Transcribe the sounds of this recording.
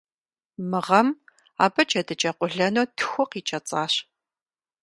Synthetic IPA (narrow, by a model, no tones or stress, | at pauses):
mɨʁɐm | a̰ːbɐt͡ʃʰʼɐdɨt͡ʃʼɐqʷʊɮɐnoːtʰɨ̥xʷɔqiːt͡ʃʼɐt͡sʼaːɕ